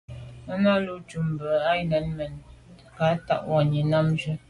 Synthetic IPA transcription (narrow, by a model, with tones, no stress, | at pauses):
ə˦na˦lu˦t͡ʃu˨m˨bə˨a˦jnə˨˦nmə˨n | ka˨˦ta̰˦ʔwa˨ɲi˨na˦md͡ʒə˦